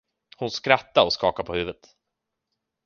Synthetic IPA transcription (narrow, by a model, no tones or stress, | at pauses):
hʊnskɾat̪ːaɾɔskɑːkaɾpʰɔhʉ̟ːvət̪